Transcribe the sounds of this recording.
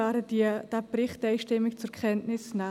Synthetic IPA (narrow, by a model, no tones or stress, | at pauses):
ɑːɾədid̥ɛprɪχtɛɪʃtɪmɪkt͡sʊkχɛntnɪsna